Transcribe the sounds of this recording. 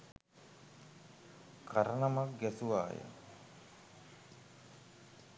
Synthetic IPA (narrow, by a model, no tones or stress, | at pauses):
kaɾənamak̚ɡɛsuʋa̰ːjə̰